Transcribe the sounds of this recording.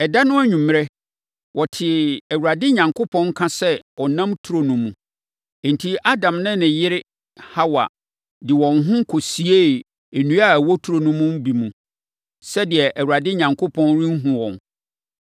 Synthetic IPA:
ɛ˨da˦nʊ̃˦æ˦ɲᶣũ˨m˦˨ɾɛ˦ | wʔɔ˨tʰɪ˨æ˨wɾa˨dɪ˦ɲã˨ŋkʰo˦pʰɔ̃˦ŋ˦kʰã˦sɛ˦ɔ˨nã˦mtʰu˨ɾo˨nũ˨mũ˨ | n̩˨tʰi˦ʔa˦dã˨mnɪ̃˦nɪ̃˨jɪ˦ɾɪ˦ | ha˦wa̰˨ | dɪ˨wɔ̃˨nɦʊ̃˦kʰo˨si˨˦e˦˨ | e˨nũ˦a˦˨wɔ˦tʰu˨˦ɾo˨nũ˦mũ˦m˦bi˨mũ˨ | sɛ˦dɪ˨ɛ˨ʔæ˨wu˨ɾa˨dɪ˦ɲã˨ŋkʰo˦pʰɔ̃˦nɾĩ˦ŋ˦ɦũ˨wɔ̰̃˨n

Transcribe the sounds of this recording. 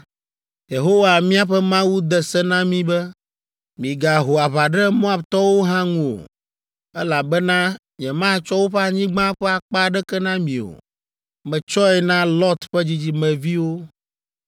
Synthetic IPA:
je˨ɦo˦wa˨mĩ˦a˨ɸɛ˦mã˦wu˦d̪ɛ˨sɛ˦nã˦mĩ˦bɛ˦ | mĩ˨ɡa˨ɦo˨a˨βa˨ɖɛ˦mɔ̃˦a˦˨bt̪ɔ˦wo˦ɦã˦ŋũ˦˨o̰˨ | ɛ˦la˨bɛ˦nã˦ | ɲɛ̃˨mã˦˨t͡ʃɔ˦wo˦ɸɛ˦a˨ɲĩ˦ɡ͡bã˦ɸɛ˦a˨k͡pa˦˨ɖɛ˦kɛ˦nã˦mĩ˨o̰˨ | mɛ̃˨t͡ʃɔ˦ɛ˨nã˦lɔ˦t̪ɸɛ˦d͡ʑi˦d͡ʑi˦mɛ̃˨vi˦wo˦

